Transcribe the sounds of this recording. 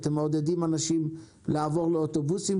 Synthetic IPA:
t̪emod̪ed̪imanaʃim | laːvo̞ʁleot̪o̞busim

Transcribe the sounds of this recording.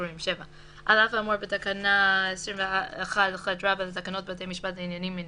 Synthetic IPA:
imʃeva | ʔalafamuɾbetakanaesɹimveaeχadaχad̪ɹabalatakano̞t̚beatejmiʃbatainjanimːin

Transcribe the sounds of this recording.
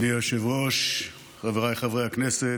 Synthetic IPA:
diaʃevʁoʃ | χaveʁajχavʁejaknɛse

